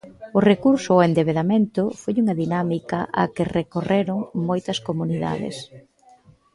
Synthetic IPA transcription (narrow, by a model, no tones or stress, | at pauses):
ʊrekuɾsʊoend̪eβeðamẽnt̪ʊfojuŋɐðinamikɐʔa̰kɪrekoreɾʊŋmojt̪ɐskomuniða̰ðɪ̰s